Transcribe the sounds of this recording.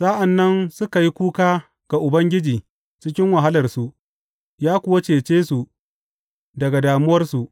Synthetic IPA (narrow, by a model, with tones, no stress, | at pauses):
sa˦ʔa˨nːɐ˦nsʊ˦ka˨ji˦kʷuː˦kaː˦ | ɡ̥a˨ʔʊ˨bɐ˦ŋɡʲɪ˦d͡ʒiː˨ | t͡ʃɪ˦k̬ʲɪ˦ŋwɐ˨ɦa˦lɐ˨rsu˨ʔ | jaː˦kʷʊ˨wa˦t͡ʃeː˨t͡ʃeː˦su˨ʔ | dɐ˨ɡa˨daː˨mʊ˦wɐ˦rsu˨ʔ